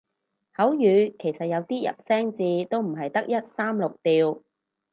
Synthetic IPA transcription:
hɐ˨˥wjyː˨˧kʰe˨˩jsɐ˨t̚jɐ˨˧wt̪iː˥jɐ̰˨p̚sɛː˥ŋt͡siː˧t̪o˥wm̩˨˩ɦɐ˨jt̪ɐ˥k̚jɐ˥t̚saː˥mlʊ˨k̚t̪iː˨w

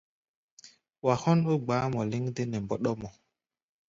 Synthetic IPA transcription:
wa˨hɔ˦no˦ɡ͡baː˨˦mɔ˨li˦ŋde˦nɛ˨mbɔ˨ɗɔ˦mɔ˨

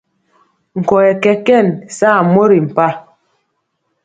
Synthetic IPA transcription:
ŋ̩˨kɔ˨ɛ˨kɛ˨kɛ˦˨nsaː˦˨mo˦ɾi˨m̩˨pa˦

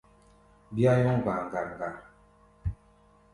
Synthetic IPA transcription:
bi˦a˦jɔ˦ŋ˨ɡ͡ba˨ŋ˨ɡa˨ŋ˨ɡa˨

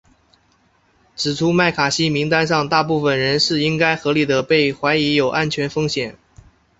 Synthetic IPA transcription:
ʈ͡ʂɻ̩˨˩ʈ͡ʂʰu˥ma˥˩ɪkʰa˨˩ɕi˥mi˧˥ŋt̪a˥nʂɑ˥˧ŋt̪a˥˧p̬u˥˩fə˨˩nɻə˧˥nʂɻ̩˥˩i˥ŋka˥ɪxɤ˧˥li˨˩d̪ə˦pe˥˩ɪxwa˧˥ɪi˧˥jo˨˩ʊʔa˥nt͡ɕʰɥɛ˧˥nfɤ˥ŋɕjɛ˨˩˦n

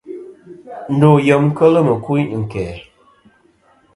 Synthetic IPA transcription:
n̩˦do˨jə˨mŋ˦kə˦lə˦mə˨ku˦jŋ̩˨kɛː˨

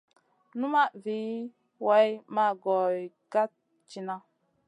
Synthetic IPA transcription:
nu˦ma˦ʔvi˨˦ | wa˨˦jma˦˨ɡɔ˨j | ɡa˦t̚ | t͡ʃi˨na˦

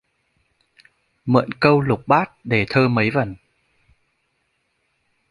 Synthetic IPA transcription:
mə̰˧˨nkə˧wlʊ˨˩k͡p̚ɓaː˦˥t̚ɗe˧˩t̪ʰəː˧mə˨˦jvə˧˩n

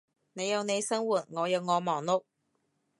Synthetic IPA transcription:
ne˨˧jɐ˨˧wne˨˧jsɐ˥ŋwuː˨˩t̚ŋɔː˨˧jɐ˨˧wŋɔː˨˧mɔː˨˩ŋlʊ˥k̚

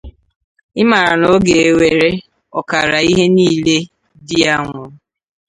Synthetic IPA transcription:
ɪ˦ma˨ɾa˨no˦ɡe˨e˨we˨ɾe˦ | ɔ˨ka˨ɾa˨i˦ɦe˦niː˦˨le˦ | dɪ˦a˦ŋʷʊ˨˦

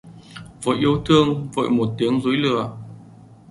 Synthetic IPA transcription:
və̰ː˧˨jʔi˧əwt̪ʰɨ˧əŋvə̰˧˨jmo˨˩t̚t̪i˨˦əŋzu˨˦jlɨ̰˧˩ə

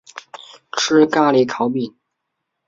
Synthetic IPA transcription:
ʈ͡ʂʰɻɻ̩˥ka˥li˧˥kʰɑ˧˥ʊpi˥˩n

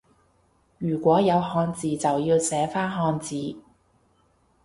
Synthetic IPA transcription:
jyː˨˩kʷɔː˨˥jɐ˨˧wɦɔː˧nt͡siː˨t͡sɐ˨wjiː˧wsɛː˨˥faː˥nɦɔː˧nt͡siː˨

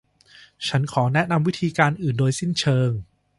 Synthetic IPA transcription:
t͡ɕʰa˦˥nkʰɔː˩˦nɛ˦˥ʔna˧mwi˦˥t̪ʰiː˧kaː˧nʔɯː˨˩ndoː˧jsi˥˩nt͡ɕʰɤː˧ŋ

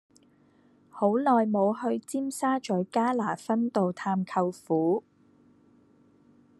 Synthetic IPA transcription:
ho˨˥wlɔː˨jmo˨˧whɵ˧ɥt͡siː˥msaː˥t͡ʃɵ˨˥ɥkaː˥laː˨˩fɐ˥nt̪o˨wt̪ʰaː˧mkʰɐ˧wfuː˨˥

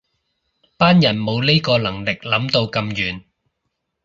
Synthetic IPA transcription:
paː˥njɐ˨˩nmo˨˧wle˥kɔː˧lɐ˨˩ŋlɪ˨k̚lɐ˨˥mt̪o˧wkɐ˧mjyː˨˩n

